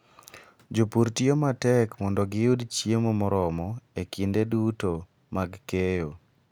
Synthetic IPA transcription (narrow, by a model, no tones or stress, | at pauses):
d͡ʒopuɾtiomatɛkmɔndɔɡɪjudt͡ʃjemomɔɾɔmɔekindeduto | maɡkejo